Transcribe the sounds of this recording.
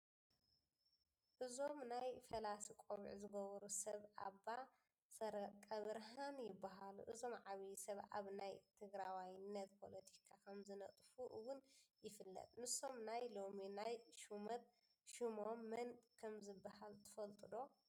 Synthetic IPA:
ʔɨzo̞mnajfɐlasikʼoβ̰ʕzɨɡɐβɐɾusɐβa̰ba | sɐɾɐkʼɐβɨɾɦanjɪbːaɦalṵʔɨzo̞mʕaβijsɐβa̰βnajt̪ʰɨɡɾawajnːɐt̪pʰo̞lɐt̪ʰi̥kʰakʰɐmzɨnɐt̪ʼfuʔwʊnjɪfɨlːɐ̰t̪ʼnɨso̞mnajlo̞minajʃumɐt̪̚ | ʃumomːɐnkʰɐmzɨbːahalt̪ʰɐ̥fɐlt̪ʼɨd̪o̞

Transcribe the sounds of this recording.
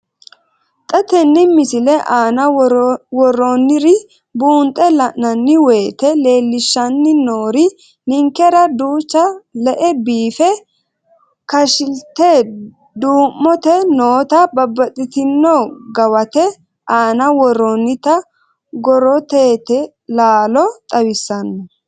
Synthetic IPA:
t̪ʼɐt̪ɛnːɪmɪsɪlɛʔaːnɐwɔrːonːɪɾɪ | buːnt̪ʼːɛlɐʔnɐnːɪwe̞ːt̪ɛle̞ːlːɪʃːɐnːɪnoːɾɪ | nɪŋkɛɾɐd̪uːt͡ʃːɐlɛʔɛbiːfɛ | kɐʃɪlt̪ɛ | d̪uːmːɔt̪ɛnoːt̪ɐbɐbːɐt̪ʼɪt̪ɪnːɔɡɐwɐt̪ɛ | ʔaːnɐwɔrːɔnːɪt̪ɐ | ɡɔɾɔt̪eːt̪ɛ | laːlɔt̪ʼɐwɪsːɐnːɔ

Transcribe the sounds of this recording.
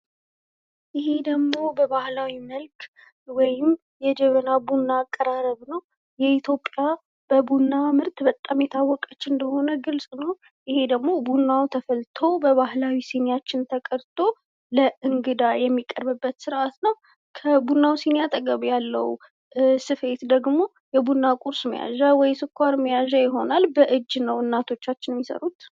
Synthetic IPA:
jɪhe̞d̪əɡmo̞bəβahlawiməlk | wɔjɪm | jɛd͡ʒɛβənabunːaːkʼːəɾaɾəβnəw | jɛit̪ʰjo̞pʼːja | b̥əbunːamɨɾt̪bət̪ʼːamjɛt̪ʰawːɔkʼət͡ʃːɨnd̪əho̞nəɡɨlsʼnəw | ʔɪhe̞d̪əɡmo̞bunːawt̪ʰəfəlt̪ʰo̞bəβahlawisenjat͡ʃːɪnt̪ʰəkʼəɾt̪ʰʼo̞ | ləʔɨŋɡɨd̪ajɛmːikʼːəɾbɨbːət̪sɨɾʔat̪nəw | kʰəbunːawsenjat̪ʼəɡəβjalːə̰w | sɨfe̞t̪d̪əɡmo̞ | jɛbunːakʼuɾsmə̰ja̰ʒawɔjsɨkʰʷːaɾməjaʒajɪɦo̞nalbəʔɨd͡ʒːnəwɨnːat̪ʰo̞t͡ʃːat͡ʃːɪnmːisə̰ɾut̪

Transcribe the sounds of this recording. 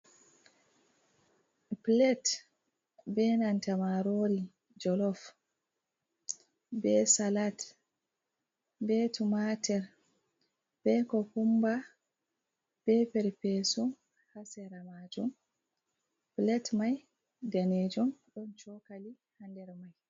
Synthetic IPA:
plɛt | bɛnantamaɾoɾi | d͡ʒɔlɔf | bɛsalat | bɛtumatɛɾ | b̥ɛkɔkumba | b̥ɛpɛɾpɛsɔ | hasɛɾamad͡ʒɔm | plɛtmaj | daned͡ʒɔnɗɔnt͡ʃɔkali | handɛɾmaj

